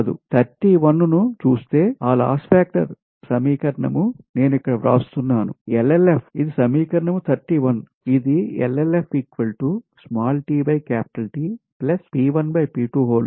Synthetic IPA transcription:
ɐd̪ṵt̪ʰɐɾʈiːʋɐnːunut͡ʃuːst̪e̞ːaːla̰ːspaːk̚ʈɐ̰ɾ | sɐmiːkɐɾɐɳɐ̰mune̞ːnuikːɐɽɐʋɾa̰ːst̪unːaːnuelːelepʰid̪isɐmiːkɐɾɐɳɐmut̪ʰɐɾʈiːʋɐn | id̪iḛlːelepʰiːkʋɐlʈusmaːlʈiːbɐjkaːpi̥ʈɐlʈiplɐspiːʋɐnbɐjpiːʈuːɦoːl

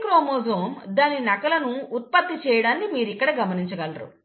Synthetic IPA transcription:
kɾoːmoːzoːmd̪aːninɐkɐlɐnuːt̪̚pɐt̪ːit͡ʃɛːjɐɽaːnːimiːɾikːɐɽɐɡɐmɐniɲt͡ʃɐɡɐlɾṵ

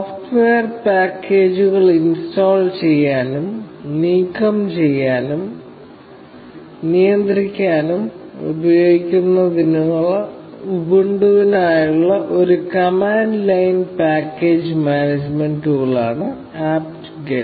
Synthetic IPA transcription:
sofʈʋeɐrpaːkːeːd͡ʑuɣɐɭinstoːlt͡ɕe̞jːaːnumniːkːɐmt͡ɕe̞jːaːnum | nijɐnd̪rikʲːaːnum | ṵbɐjoːɡikʲːunːɐd̪inuɣɐɭ | ubuɳɖuʋinaːjuɭːɐʔo̞ɾukɐmaːnlɐjnpaːkːe̞ːd͡ʑmaːned͡ʑme̞nɖuɣɐɭa̰ːɳɨ | aːpʈ | ɡe

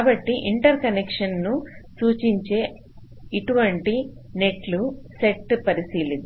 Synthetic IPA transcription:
aːbɐʈːiʔiɳʈɐɾkɐnekʂɐnːusuːt͡ʃiɲt͡ʃe̞ː | iʈuʋɐɳʈine̞ʈluse̞ʈːpɐɾisiːlind̪i

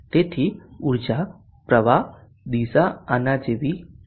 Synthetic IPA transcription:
t̪et̪ʰiuɾd͡ʑa | pɾəʋa | d̪iːsaanad͡ʒeʋi

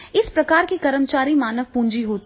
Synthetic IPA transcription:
ɪspɾɐkaːɾkikɐɾəmt͡ʃaːɾimaːnəʋpũːɲd͡ʒiɦoːt̪

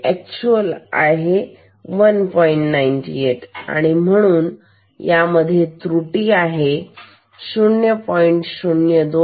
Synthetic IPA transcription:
ɛk̚t͡ɕuəla̰ɦe | ʋənpɔiɳʈnainʈḭeʈa̰ɽ̃im̤əɽ̃uːn | jaməd̪ʱːjet̪ɾuʈiːaɦe | sunjəpɔiɳʈɕunjəd̪o

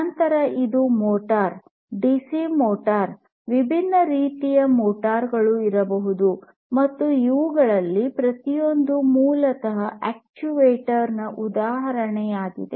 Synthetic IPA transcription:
ɐnt̪ɐɾɐʔid̪umɔːʈaːɾ | ɖisimoːʈaːɾ | ʋibʱinːɐɾiːt̪ijɐmɔːʈaːɾɡɐɭuiɾɐbɐɦud̪u | mɐt̪ːuiʋuɡɐɭɐlːipɾɐt̪ijo̞nd̪umuːlɐt̪ɐɦɐʔɛːk̚t͡ʃuʋeːʈɐɾnɐʔud̪aːɦɐɾɐɳɛjaːɡḭd̪e̞̰

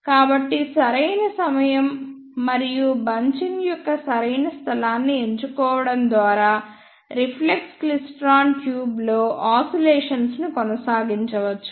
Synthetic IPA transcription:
kaːbɐʈːisɐɾɐjnɐsɐmɐjɐmː | ɐɾijubɐɲt͡ʃinjɔkːɐsɐɾɐjnɐst̪ʰɐlaːnːie̞ɲt͡ʃukɔːʋɐɽɐnd̪ʋaːɾaː | ɾipʰlekslisʈɾaːnʈjuːblo̞ːʔaːsɐleɛːʂɐnsnukɔnɐsaːɡiɲt͡ʃɐʋɐt͡ʃːu̥

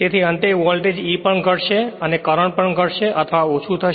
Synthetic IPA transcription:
t̪et̪ʰiənt̪eʋɔlʈed͡ʒipəɳɡʱəʈʃeənekəɾəɳpəɳɡʱəʈʃeʔət̪ʰʋaot͡ʃʰut̪ʰə

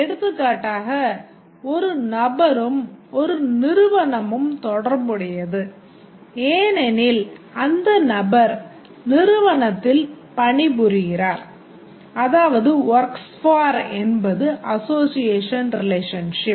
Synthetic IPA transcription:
ɛɽɯt̪ːɯkːaːʈːaːɣɐ | ɔɾɯnɐbɐɾɯmɔɾɯnɪɾɯʋɐɳɐmɯmt̪ɔɽɐɾbɯɽɪjɐðɯ | eːnɛnɪl | ɐnd̪ɐnɐbɐɾ | nɪɾɯʋɐɳɐt̪ːɪl | pɐɳɪbʊɾɯɣɪraːɾ | ɐðaːʋɐðɯʋɐɾksfaːɾɛnbɐðɯʔɐsoːsɪjeːʂɐnɾɪleːʂɐnʂɪp

